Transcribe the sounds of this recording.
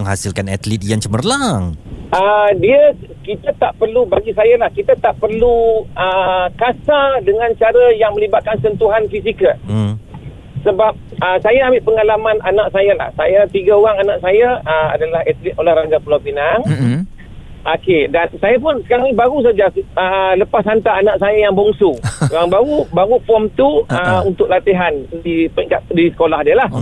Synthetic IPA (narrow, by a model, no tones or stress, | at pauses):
əŋɦasilkanat̪lit̪̚jaŋt͡ʃəmərlaŋədiəkit̪at̪aʔpərlubaɡisajalahkit̪at̪aʔpərluəkasadəŋãnt͡ʃaɾajaŋmə̃libat̪̚kansənt̪uɦanfis̬ikə | səbap̚əsajaambɪʔpəŋalamananãʔsajala̰hsajat̪iɡaoɣaŋanãʔsajaəma̰dalahɛt̪lit̪olahɾaŋɡapulabinaŋ | ʔokedansajap̬ʊnsə̥kaɾaŋibaɣus̬ad͡ʒaələpashant̪aːnaʔsajajaŋbɔŋsuoaŋbaɣubaɣupɔmt̪uəunt̪ʊk̚lat̪iɦandipiŋkat̪̚disə̥kolahdialah